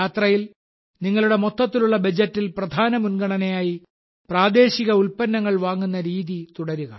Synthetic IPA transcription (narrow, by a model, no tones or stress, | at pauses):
aːt̪rɐjil | niŋːɐɭuɽe̞mot̪ːɐt̪ːiluɭːɐbɐd͡ʑɐtːilprɐd̪ʱaːnɐmunɡɐɳɐnejaːji | praːd̪e̞ːɕiɣɐulpɐnːɐŋːɐɭʋaːŋːunːɐɾiːðit̪uɽɐɾuɣɐ